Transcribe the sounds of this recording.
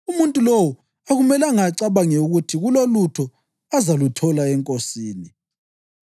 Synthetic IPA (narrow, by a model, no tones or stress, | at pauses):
umuntʼulowɔ | aɣumɛlaŋaǀaβaŋɛuɣutʰiɣulolutʰɔ | azalutʰɔlaɛŋkʼosiːni